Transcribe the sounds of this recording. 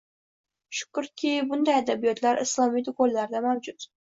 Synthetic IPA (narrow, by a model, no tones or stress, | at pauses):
ʃʊ̥kʰʊɾkʲʰɪbʊnd̪ajad̪abijɒt̪ʰlaɾʔɨslˠɒmijt̪ʊkolːaɾd̪amawd͡ʒʊt̪